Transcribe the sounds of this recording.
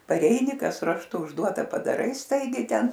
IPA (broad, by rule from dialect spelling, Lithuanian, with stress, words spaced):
pɐˈrʲɛɪnʲɪ ˈkɐs rɐʃˈtʊ ʊʒˈduɔtɐ pɐdɐˈrɐɪ ˈstɐɪɡʲɛɪ ˈtʲɛn